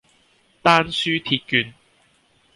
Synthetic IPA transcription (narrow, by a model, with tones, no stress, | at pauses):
t̪aː˥nsyː˥t̪ʰiː˧t̚kyː˧n